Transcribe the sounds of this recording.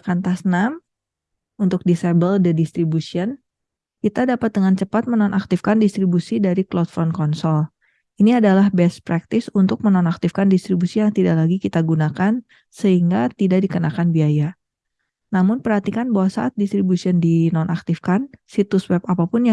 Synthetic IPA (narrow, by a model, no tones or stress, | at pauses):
kant̪asnam | unt̪ʊk̚disabəldədist̪ɾibusiən | kit̪adapat̪̚dəŋant͡ʃəpat̪̚mənɔnʔak̚t̪ɪfkandist̪ɾibusidaɾiklɔt̪fɔnkɔnsɔl | iniadalahbɛspɾak̚t̪ɪsunt̪ʊk̚mənɔnak̚t̪ɪfkandist̪ɾibusijaŋt̪idaʔlaɡikit̪aɡunakan | səɦiŋɡat̪idaʔdikənakanbiaja | namʊnpərhat̪ikanbawasa̰ʔat̪̚dist̪ɾibusiɔndinɔnʔak̚t̪ɪfkansit̪ʊswɛp̚apapʊnj